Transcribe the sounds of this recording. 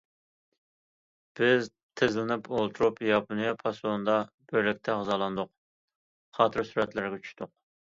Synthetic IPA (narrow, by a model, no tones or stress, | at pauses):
b̥ɪz | t̪ʰezlɪnɪpolˠt̪ʰuɾupjɑpʰunɨjɑpʰɑsond̪ɑ | b̥øɾlɪk̚ʲt̪ʰɛʁzɑːlˠɑnd̪ʊq̚ | χɑːt̪ʰɨɾsyɾɛt̪læɾɡʲɛt͡ʃʰy̥ʃt̪ʊq̚